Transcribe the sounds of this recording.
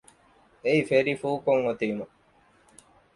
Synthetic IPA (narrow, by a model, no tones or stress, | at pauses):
eifeɾifuːkoŋot̪iːmu